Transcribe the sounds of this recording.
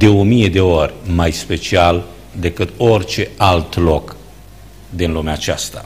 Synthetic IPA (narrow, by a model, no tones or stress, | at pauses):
d̪e̞o̞mije̞d̪e̞o̞rʲmajspe̞t͡ʃial | d̪e̞kɨt̪o̞rt͡ʃe̞alt̪lo̞k | d̪inlumeat͡ʃast̪a̰